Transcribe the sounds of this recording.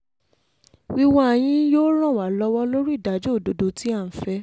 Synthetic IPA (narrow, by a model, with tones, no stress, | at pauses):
wi˦wɔ̃˦ɛ˨j̃ĩ˧joː˦ɾ̃ɔ̃˦˨wa˨lɔ˧˦wɔ˦lo˦ɾi˦i˦˨da˨˦d͡ʒo˦o˦˨do˨do˨˧ti˦a˦˨fɛ˨˦